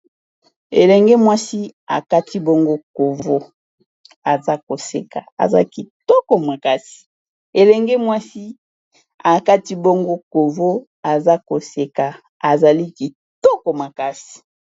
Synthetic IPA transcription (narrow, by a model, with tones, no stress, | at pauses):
ḛ˨lɛ˨ŋɡe˦mwa˦si˦a̰˨ka˦ti˦bo˦ŋɡo˦ko˨vvo˦ | a˨za˦ko˨sḛ˨ka̰˨a̰˨za̰˦ki˨tɔ˦ko˨ma˨ka˦si̥˨ | e˨lɛ˨ŋɡe˦mwa˦si˦ | a˨ka˦ti˦bo˦ŋɡo˦ko˨vo˦ | a˨za˦ko˨se˨ka˨ | a˨za˨li˦ki˨ | to˦ko˨ma˨ka˦si̥˨